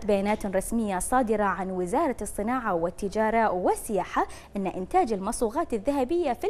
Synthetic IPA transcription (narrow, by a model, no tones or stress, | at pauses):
t̪bajaːnaːt̪ɾˤɑsmɪjːasˤɑːd̪ɪɾˤɑʕanwɪzɑːɾˤɑɨsˤːɨnaːʕawɪt̪ːɪd͡ʒaːɾˤɑwɪsɪjaːħaʔɪnːaʔɪnt̪aːd͡ʒɪlmɑsˤuːɣɑːt̪ɪðːaɦabɪjːafi